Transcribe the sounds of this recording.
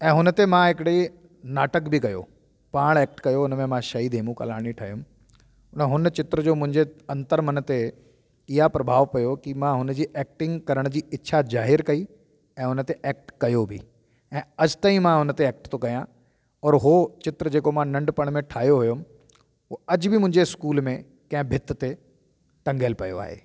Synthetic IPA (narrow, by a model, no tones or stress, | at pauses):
ɛ̃ːɦʊnət̪emãɦɪkɪɽe | naːʈəkbʱɪkɐjo̰ | paːɽ̃eːk̚ʈkɐjoʊnəmẽmãʃɐɦiːd̪ʱeːmũkɐ̰laːɽ̃iʈʰaːɦijʊm | ʊnəɦʊnt͡ɕɪt̪ɾəd͡ʑoːmʊ̃ɦɪ̃ɲd͡ʑeɐ̃nt̪əɾmɐnt̪e | ɪɦapɾɐbʱaːʋpɐjokimãɦʊnd͡ʑiːʔeːk̚ʈɪ̃ŋɡkɐɾəɽ̃d͡ʑiːɪtːɕʰazaːɦɪɾkɐi | ɛ̃ːʊnət̪eʔɛːk̚ʈkɐjobʱɪ̰ | ɛ̃ːɐd͡ʑt̪aːĩmãɦʊnət̪eɛːk̚ʈt̪ʰokɐjã | ɔːɾɦot͡ɕɪt̪ɾəd͡ʑeːkomãnɐ̃ɳɖpɐɽ̃mẽʈʰaːɦjoɦʊjom | ɦuɐd͡ʑbʱɪmʊ̃ɦɪ̃ɲd͡ʑeɪskuːlmẽ | kɐ̃ɦɪ̃bʱɪt̪t̪e | ʈɐ̃ŋɡəlpɐjo̰a̰ːɦḛː